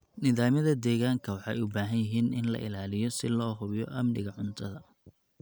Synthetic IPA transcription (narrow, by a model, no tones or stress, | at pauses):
nɪðaːmɐðɐd̪ɛːɣaːŋkʰɐwɑħɑjʊbaːɦɐnjɪɦiːnɪnlɐ̰ʔɪ̰laːlɪjɔsɪlɔːɦʊβɪjɔʔɐmnɪɣɐʕʊnt̪ʰɐðɐ